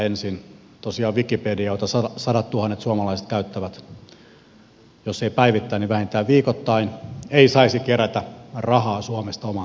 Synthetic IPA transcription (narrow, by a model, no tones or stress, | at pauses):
ensin | t̪osiɑːʋikːipedioit̪ɑsɑɑsɑdɑt̪t̪uhɑnːet̪suɑmɑlɑise̥t̪̚kæyt̪ːæʋæt̪ | josːeipæiʋit̪ːæiniʋæhint̪æːʋʋiːkot̪ːɑineisɑisikeræt̪ærɑhɑːsuɑmest̪ɑomɑ